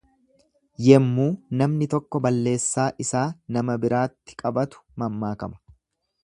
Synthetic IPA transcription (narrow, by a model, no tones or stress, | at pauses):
jɛmːuːnɐmnɪt̪ɔkːɔbɐlːe̞ːsːaːʔɪsaːnɐmɐbɪɾaːt̪ːɪ̥kʼɐbɐt̪ʊ̥mɐmːaːkɐmɐ̥